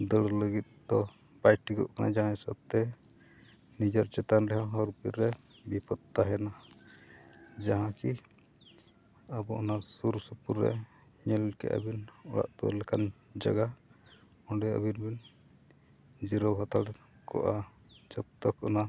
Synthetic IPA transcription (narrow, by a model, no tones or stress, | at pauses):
d̪əlləɡit̪̚d̪ɔ | pajʈikɔ̰ʔkanʔa̰d͡ʒaɦãɛsə̰b̚t̪ɛ | nid͡ʒɔɾt͡ʃɛt̪anɾɛɦaɦɔɾpiɾːɛ | bipɔt̪ːaɦɛna | d͡ʒaɦãki | abɔʔɔnasuɾsəpuɾːɛ̰ | ɲɛlkɛ̰ʔa̰binɔɽa̰ʔt̪ɔlɛkand͡ʒa̰ɡa | ɔɖɛə̰binbin | d͡ʒiɾɔwɦɔt̪aɽ | kɔ̰ʔa | t͡ʃɔk̚t̪ɔkɔna